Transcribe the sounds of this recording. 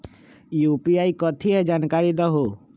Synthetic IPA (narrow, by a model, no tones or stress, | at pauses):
juːpiaːikɔt̪ʰiɛd͡ʒaːnkaːɾid̪aɦoː